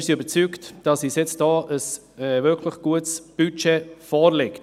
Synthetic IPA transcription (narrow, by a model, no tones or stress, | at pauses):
siybəɾt͡syktd̥ɑsisjɛt͡std̥ɔːʔəs | ɛvɪɾkʰlɪχɡ̥uətsb̥yt͡ʃɛfɔːɾlɛkt